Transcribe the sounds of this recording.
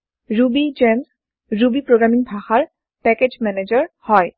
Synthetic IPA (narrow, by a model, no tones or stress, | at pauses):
ɹubid͡ʒɛmz | ɹubipɹoɡɹamiŋbʱaxaɹ | pɛked͡ʒmɛned͡ʑəɹhɔj